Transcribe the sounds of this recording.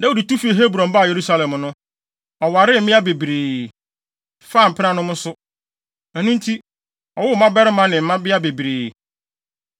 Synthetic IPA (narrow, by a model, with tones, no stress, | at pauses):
nɛ˦o˨di˨tu˦fi˦e˨ɦe˦bɾɔ̃˨mba˦˨je˨ɾu˦sa˦lɛ̃˨mnʊ̃˦ | ɔ˨wa˨ɾɪ˦˨m̩˦mɪ̃˦a˦be˨bɾeː˨ | faː˦˨m̩˨pʰɪ˦ã˦nʊ̃˦mʊ̃˦sʊ˦ | ɛ˨nũ˦n̩˦tʰi˦ | ɔ˨wʊ˦m̩˨˦mã˦bɛ˦ɾɪ˦mã˦nɪ̃˨m̩˨˦mã˦bɪ˦a˦be˨bɾeː˨